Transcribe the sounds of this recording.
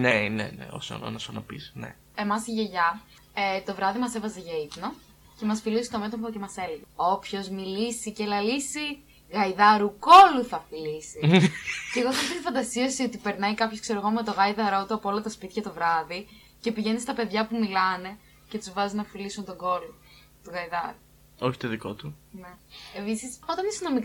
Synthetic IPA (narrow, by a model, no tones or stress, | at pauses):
nenḛnḛo̰so̰no̰nɐsonɐpḭsnḛ | e̞mɐsiʝeʝɐ | et̪o̞vɾɐðimɐse̞vɐzeʝɐipno̞ | ce̞mɐsfilisi̥t̪o̞me̞t̪ofoce̞mɐse̞leɣeo̞pço̞zmilisice̞lɐlisi | ɣɐiðɐɾuko̞luθɐfilisice̞ɣoθɐfit̪ifɐnd̪ɐsiɐsiot̪ipe̞ɾnɐikɐpçoskse̞ɾo̞ɣo̞me̞t̪o̞ɣɐiðɐɾoot̪uɐpoolɐt̪ɐspit̪çɐt̪o̞vɾɐði | ce̞piʝe̞nist̪ɐpe̞ðʝɐpumilɐne̞ | ce̞t̪uzvɐzinɐfilisunt̪oɡo̞lo | t̪uɣɐiðɐɾu | oçi̥t̪oðiko̞̰t̪une̞episiso̞t̪ɐnisinomik